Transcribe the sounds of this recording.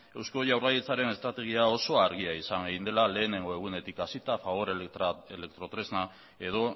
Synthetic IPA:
e̞wsko̞ʝawrajit͡saɾe̞ne̞st̪ɾat̪e̞ɣ̞iao̞so̞aɾɣiaisaŋɡeɣind̪e̞lale̞ːne̞ŋɡo̞e̞ɣ̞une̞t̪ikasit̪afaβo̞ɾele̞k̚t̪ɾo̞t̪ɾe̞zna | e̞ðo̞

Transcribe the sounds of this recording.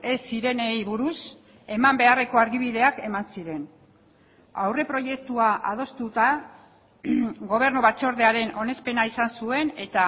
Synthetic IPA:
e̞siɾe̞nejβuɾus | e̞mambe̞are̞ko̞aɾɣiβ̞iðe̞ake̞mansiɾe̞n | a̰wre̞pɾo̞je̞k̚t̪uaʔa̰ð̞o̞st̪ut̪a | ɡo̞β̞e̞ɾnuβat͡ʃo̞ɾðe̞aɾe̞nʔo̞ne̞spe̞naisansue̞ne̞t̪a

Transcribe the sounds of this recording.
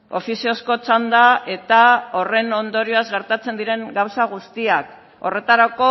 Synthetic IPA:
o̞fisio̞sko̞t͡ʃand̪ae̞t̪aore̞no̞nd̪o̞ɾioazɣe̞ɾt̪at͡se̞nd̪iɾe̞ŋɡawsaɣ̞ust̪iak | o̞̰re̞t̪aɾako̞

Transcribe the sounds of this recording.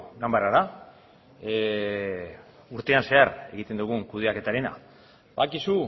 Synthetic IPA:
ɡambaɾaɾa | uɾt̪e̞anse̞aɾe̞̰ɣit̪e̞nd̪uɣ̞uŋkuð̞eake̞t̪aɾena̰ | bakisu

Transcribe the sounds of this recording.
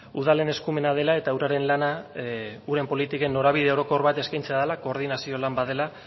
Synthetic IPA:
uð̞ale̞ne̞skume̞nað̞e̞lae̞t̪awɾaɾe̞nlana | uɾe̞mpo̞lit̪ike̞nːo̞ɾaβ̞iðeo̞ɾo̞ko̞ɾβat̪e̞skajnt͡seaðelako̞ːɾð̞inasio̞lambaðe̞la

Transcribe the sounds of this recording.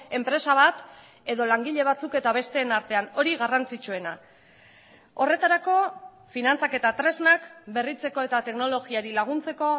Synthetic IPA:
e̞mpɾe̞saβ̞at̪ | e̞ðo̞laŋɡiʎe̞β̞at͡suke̞t̪aβ̞e̞st̪e̞ːnaɾt̪e̞ano̞ɾiɣarant͡sit͡ʃue̞na | o̞re̞t̪aɾako̞ | finant͡sake̞t̪at̪ɾe̞znakbe̞rit͡se̞ko̞e̞t̪at̪e̞kno̞lo̞ɣiaɾilaɣ̞unt͡se̞ko̞

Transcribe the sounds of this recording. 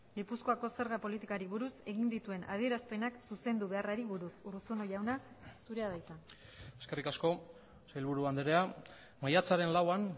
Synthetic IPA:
ɡipusko̞ako̞se̞ɾɣapo̞lit̪ikaɾiβuɾuse̞ɣind̪it̪ue̞na̰ð̞ie̞ɾaspe̞naksuse̞nd̪uβe̞araɾiβuɾusurusunoʝawna | suɾe̞aðajt̪a | e̞ske̞rikasko̞ | sajlβuɾuand̪eɾea | majat͡saɾe̞nlawan

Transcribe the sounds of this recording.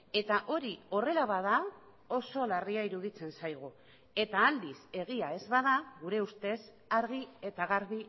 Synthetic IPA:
e̞t̪aʔo̞ɾio̞re̞laβaða | o̞so̞lariaiɾuðit͡se̞nsajɣ̞u | e̞t̪aːld̪ise̞ɣ̞iae̞zβað̞aɣuɾe̞ust̪e̞s | aɾɣ̞ie̞t̪aɣaɾði

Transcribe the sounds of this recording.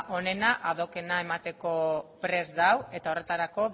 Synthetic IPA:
ʔo̞ne̞naʔað̞o̞ke̞nae̞mat̪e̞ko̞pɾe̞zd̪awe̞t̪ao̞re̞t̪aɾako̞β

